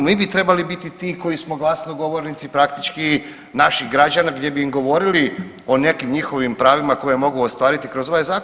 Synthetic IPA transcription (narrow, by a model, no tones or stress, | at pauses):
miːbit̪ɾe̞balibit̪it̪iːkojismoɡlˠasnoɡo̞ʋo̞ɾnit̪sipɾakt̪it͡ʃki | naʃiɡɾad͡ʒanaɡd̪ʲjebiːmɡo̞ʋo̞ɾili | o̞ne̞kimɲixo̞ʋimpɾaːʋimako̞jemo̞ɡuost̪ʋaːɾit̪ikɾo̞zo̞ʋajzaː